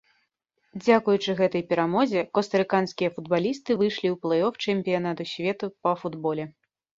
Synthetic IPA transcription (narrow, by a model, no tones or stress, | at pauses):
d͡zʲakujut͡ʂɨɣɛt̪ɐjpʲɛɾamɔzʲɛkɔst̪ɐɾɨkanskʲijɐfud̪̚balʲist̪ɨvɨjʂlʲiwplˠɛjɔft͡ʂɛmʲpʲijan̪at̪usʲvʲɛt̪upɐfud̪bɔlʲɛ